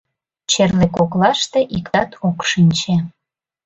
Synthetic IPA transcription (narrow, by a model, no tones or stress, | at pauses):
t͡ɕerlekoklɑʃt̪eʔik̪ɑt̪ʰokʃinʲt͡ɕe